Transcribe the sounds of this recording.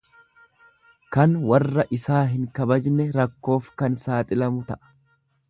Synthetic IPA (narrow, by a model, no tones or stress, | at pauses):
kɐnwɐrːɐʔɪsaːɦɪŋkɐbɐd͡ʒnɛɾɐkːo̞ːfkɐnsaːt̪ʼɪlɐmʊt̪ɐʔɐ̥